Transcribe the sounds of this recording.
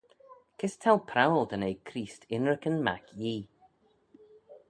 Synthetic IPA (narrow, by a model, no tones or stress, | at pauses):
kʰɪst̪ʰalˠpʰɾawlˠd̪ənejkʰɾiːstɪnɹəkənma̰kʰjiː